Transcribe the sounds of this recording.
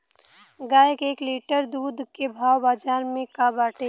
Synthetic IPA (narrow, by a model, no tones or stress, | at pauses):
ɡaːjəkeːkliːʈəɾd̪uːd̪ʱkebʱaːwbaːd͡ʒaːɾmẽkabaːʈe